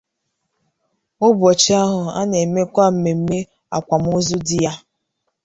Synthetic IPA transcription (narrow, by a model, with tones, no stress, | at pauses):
ʊ˦bɔ˨t͡ʃɪ˦a˦ɦʊ˨a̰˦ne˨me˦kʷa˦˨m̩˦me˨m̩˦me˦ | a̰˨kʷa˨m̩˦ʊ˦zʊ˦dɪ˦ja˦